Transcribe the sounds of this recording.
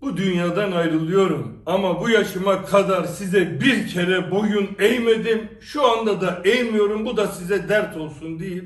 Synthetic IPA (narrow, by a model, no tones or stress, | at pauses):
bud̪ynjaːd̪anajɾɯlˠɯjo̞ɾumamabujaʃɯmakʰad̪aɾsizɛbiɾcʰeɾɛbo̞junɛjmed̪im | ʃuand̪ad̪aʔɛjmijo̞ɾumbud̪asizɛd̪æɾt̪ʰo̞lˠsund̪ejilʲ